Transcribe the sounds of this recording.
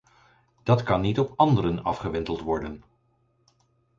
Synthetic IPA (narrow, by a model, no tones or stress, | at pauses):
d̥ɑtkɑnːitɔpɑndəɾənɑfχəʋɛntəlˠtʋɔɹdən